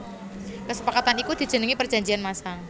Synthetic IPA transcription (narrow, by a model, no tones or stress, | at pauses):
kəsəpakat̪anikud̪̥i̤̥d͡ʒ̥ə̤nəŋipərd͡ʒa̤ɲd͡ʒianmasa